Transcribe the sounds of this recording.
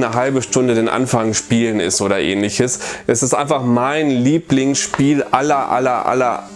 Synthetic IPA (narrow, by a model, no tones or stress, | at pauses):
nəɦalbəʃtʊndədeːnʔa̰nfaŋʃpiːlənɪ̰stʔoːɾɐʔḛːnlɪçəsʔɛsɪstʔa̰ɪnfaχmaɪnliːplɪŋsʃpiːlʔʔalɐʔa̰lɐʔa̰lɐ̰